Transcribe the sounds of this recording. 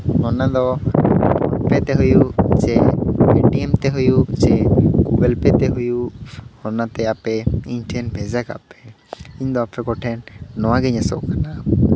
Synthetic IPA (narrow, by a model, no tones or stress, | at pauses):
hɔnad̪ɔ | ɔpɛt̪ɛɦujusɛeʈiɛmt̪ɛɦujusɛɡuɡelpɛt̪ɛɦujuhɔnat̪ɛapɛiɲʈʰɛnbʱɛd͡ʒaka̰pɛ | iɲd̪ɔapɛkɔʈʰɛnːɔwaɡɛɲɛsɔ̰kana